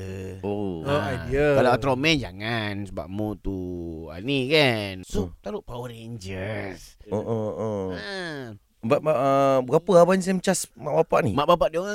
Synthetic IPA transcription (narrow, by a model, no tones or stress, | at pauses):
ooajdiakalaat̪ɾomɛnd͡ʒa̰ŋansəba̰ʔmut̪ua̰nikansut̪aɾuʔpauɾend͡ʒəsoʔəʔə | baʔmaʔbəɡapəabaɲis̬amt͡ʃasmaʔbapaʔnḭmaʔbapaʔdioŋa